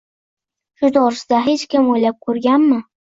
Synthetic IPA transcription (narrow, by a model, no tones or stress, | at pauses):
ʃʊd̪ɒɾsɪd̪aɦe̞t͡ʃkʲɪmojlap̚kʰɵɾɡʲanmɪ